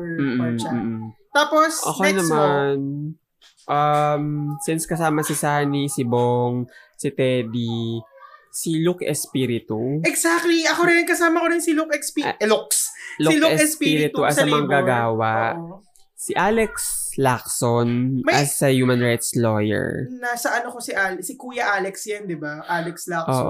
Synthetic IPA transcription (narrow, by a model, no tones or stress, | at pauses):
m̩ːʔ̩ː | t̪aːposɐ̰konɐman | ʔɐmsɪnskɐsaːmɐsɪsaːnisɪboŋsɪt̪ɛːd̪i | silukɛ̰spiɾɪt̪uɛksak̚t̪liʔɐkoɾɪnkɐsaːmɐkoɾɪnsɪlukɛkspuksluluɛɛspiɾɪt̪uʔɐsɐmɐŋɡaɡaːwɐ | sɪʔaːlɛkslak̚sonmɐɐsːɐjuːmɐnɹajt̪slojɛ̰ɹnaːsɐʔɐnokosɪʔalsɪkuːjɐʔaːlɛksjɐnd̪ɪbaʔalɛkslakʔoʔ